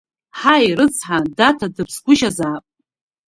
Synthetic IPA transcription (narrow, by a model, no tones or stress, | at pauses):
ħajrɨt͡sʰʼħadatʰadɨpʰsɡʷʊʃazaːpʼ